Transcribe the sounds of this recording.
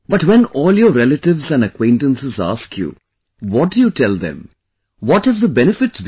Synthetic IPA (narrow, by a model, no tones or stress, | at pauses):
bʌʈʋɛ̃nɔːljəɾɾɛləʈɪʋzæ̃nɖəkwẽɪ̃ɳʈə̃nsəza̰ːskʰjṵː | ʋɔʈ̚ɖujuːʈʰɛld̪ɛ̰̃m | ʋɔʈəzd̪əbɛnɪfɪʈsʋ